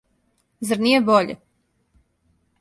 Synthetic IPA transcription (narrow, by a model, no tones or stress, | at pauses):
zaɾnijeboʎḛ